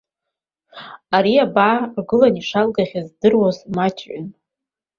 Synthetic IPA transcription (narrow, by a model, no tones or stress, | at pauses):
aɾiabaːrɡɨlaniʂalɡaχʲazdɨrwazmat͡ʃʰʼʕʷʊ̰n